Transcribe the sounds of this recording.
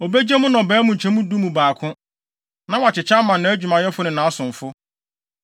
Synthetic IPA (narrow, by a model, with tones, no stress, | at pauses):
o˨be˦d͡ʑɛ˦mʊ̃˦nɔ̃˨bɛː˨˦mũ˨ɲ̩˨t͡ɕʰɛ̃˦mũ˦du˦mũ˨baː˨kʰʊ̃˦ | nã˦wa˨t͡ɕʰɪ˨t͡ɕʰa˦mã˨nːʊ̃˦æ˦d͡ʑᶣu˨mã˨jɛ˦fʊ˦nʊ̃˨nã˨a˦sʊ̃˨ɱ˨fʊ˦